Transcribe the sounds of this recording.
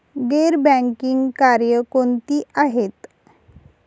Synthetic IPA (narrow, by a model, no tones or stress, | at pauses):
ɡeɾbɛ̃ŋkiŋɡkaɾjəkont̪iːʔaɦet̪